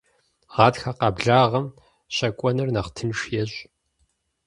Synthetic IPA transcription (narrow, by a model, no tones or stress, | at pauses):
ʁɑːtxɐqɑbɮaːʁɐm | ɕɐkʷʼɔnɨrnɐχtʰɨnʃjɛʑ